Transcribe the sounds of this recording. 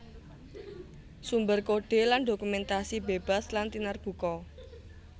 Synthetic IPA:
sumbərkoɖ̥e̤lanɖokumɛnt̪asibeb̥a̤slant̪inarɡ̥ṳkɔ

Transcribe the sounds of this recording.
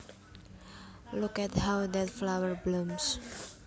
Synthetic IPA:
lukɛthawd̪ɛtflawəɹblums

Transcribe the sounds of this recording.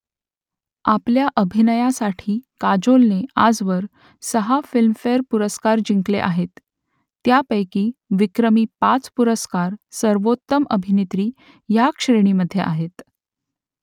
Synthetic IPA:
apljaʔəbʱinəjasaʈʰiːkad͡ʑolnea̰d͡zʋəɾ | səɦafilmfeɾpuɾəskaɾd͡ʑiŋklḛʔaɦet̪ː | japəjkiːʋikɾəmiːpat͡spuɾəskaɾsəɾʋot̪ːəməbʱinet̪ɾiː | jakʂɾeɽ̃iməd̪ʱːjḛʔaɦet̪

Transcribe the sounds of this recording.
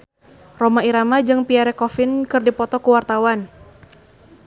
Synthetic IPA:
romaiɾamad͡ʒɨŋpiaɾɛkɔfɪnkɨrdipɔt̪ɔkuwart̪awan

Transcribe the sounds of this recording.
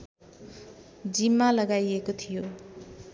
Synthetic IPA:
d͡zimːalʌɡajekot̪ʰijo

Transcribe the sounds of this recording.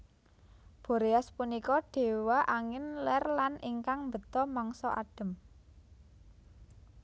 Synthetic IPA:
b̥o̤ɾeaspunikɔɖ̥e̤waʔaŋɪnlɛrlaniŋkaŋmbə̤t̪ɔmɔŋsɔ̰ʔa̰ɖ̥ə̤m

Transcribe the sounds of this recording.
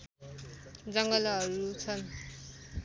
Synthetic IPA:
d͡zʌŋɡʌlɦʌɾut͡sʰʌn

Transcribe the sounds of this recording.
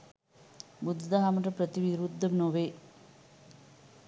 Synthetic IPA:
bud̪d̪aɦaːmɳʈrɐpɾɐt̪iʋiɾud̪ːɐmnoːʋeː

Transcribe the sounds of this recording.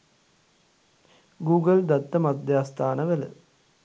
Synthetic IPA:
ɡuːɡɐld̪ɐt̪ːɐmɐd̪ʱjaːst̪ʰaːnɐʋɐlɐ̰

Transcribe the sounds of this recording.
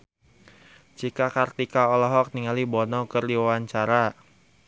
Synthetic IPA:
d͡ʒikakart̪ikaɔlɔɦɔk̚niŋalibɔnɔkərdiwawaɲt͡ʃaɾa

